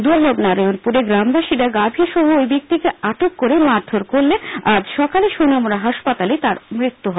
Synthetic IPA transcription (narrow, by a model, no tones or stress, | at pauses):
d̪uɾlobnaɾojonpuɾeɡɾambaʃiɾaɡabʱiɾʃɔɦoojbik̚t̪ikeaʈokːoɾemaɾt̪ʰoɾkoɾlead͡ʑʃɔkaleʃonamoɾaɦaʃpat̪alet̪aɾmɾit̪ːuɦɔ